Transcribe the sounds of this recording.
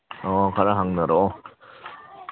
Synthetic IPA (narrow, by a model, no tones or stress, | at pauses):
ʌkaɾɯɦaŋnɯɾo